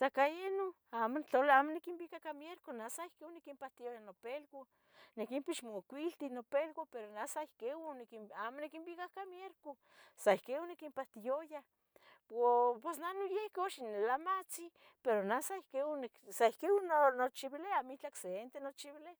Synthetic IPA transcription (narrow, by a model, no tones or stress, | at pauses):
sakajeno | aːmont͡ɬolaaːmonikimbikakamjeɾkonasaihkewunikimpaht̪ijojanopelko | nekimpit͡ʃmokʷilt̪inopelkopeɾonasaihkenikiamonikimbikakamjeɾko | saihkeonekimpaht̪ijoja | popesnanojehkeoʃinelamat͡si | peɾonasaihkeneksaihkenonot͡ʃiβileamit͡ɬakseent̪enot͡ʃiβile